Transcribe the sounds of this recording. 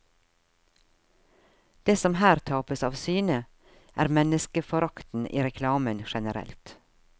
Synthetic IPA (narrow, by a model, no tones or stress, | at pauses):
d̪̥eːsɔmhæːɾt̪ʰɑːpəsɑ̰ːʋsyːnə | ʔæ̰ːɾmɛnəskəfɔɾɑkt̪n̩ḭːɾɛkʰlɑːmənʃɛnəɾɛ̰lt̪